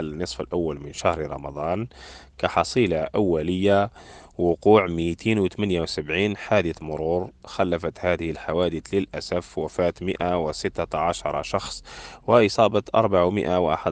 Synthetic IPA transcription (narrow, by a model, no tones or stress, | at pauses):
nːɨsˤfəlʔawːalmənʃahɾɾˤɑ̰mɑd̪ˤɑːnkaħɑsˤiːlaʔawːæləjːawʊquːʕmit̪iːnwt̪mənjawsabʕiːnħad̪əθmʊɾuɾxælːæfæt̪hæːd̪ɪhəlħawæd̪əθləlʔæsæfwɪfæːt̪məʔawɪsət̪ːaaʕaʃɑɾˤɑ̰ʃɑxsˤwəʔəsˤɑːbɑt̪ʔɑ̰ɾˤbaʕawmə̰ʔawʔa̰ħad̪